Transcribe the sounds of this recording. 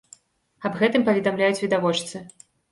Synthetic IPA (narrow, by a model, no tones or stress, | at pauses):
ɐbɣɛt̪ɨmpɐvʲɛd̪amlʲajut͡sʲvʲid̪avɔt͡ʂt̪sɨ